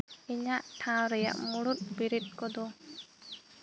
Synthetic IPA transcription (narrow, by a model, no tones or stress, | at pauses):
ɛɲaʔʈʰãwɾɛja̰ʔmuɽut̪̚bɛɾɛt̪̚ˀkɔd̪ɔ